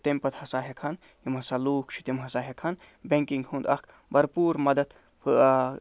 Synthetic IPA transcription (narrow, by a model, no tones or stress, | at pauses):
t̪emʲpɐt̪hɐsaːɦekʰɐn | jimɦɐsaluːkt͡ʃʰi̥t̪imɦɐsaːɦekʰɐn | bʲeŋkiŋɡhũnd̪ɐ̰kʰ | bɐɾpuːɾmɐd̪ɐd̪ | pʰɨ